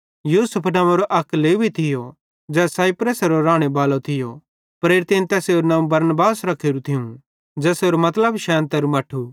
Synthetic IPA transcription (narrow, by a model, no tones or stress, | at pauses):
juːsʊpʰnɐ̃mɐɾoʔɐkːleːbʱit̪ʰɪjo | d͡ʒɛːsaːɪpɾəsɾoɾaːɽ̃ebaːlot̪ʰɪjo | pɾeːɾɪt̪enit̪ɛːseoɾnãːũbɐɾnbaːsɾɐkʰeːɾut̪ʰɪũ | d͡ʒɛːseɾomɐt̪ləbʃɛːnt̪ɐɾumɐʈʰu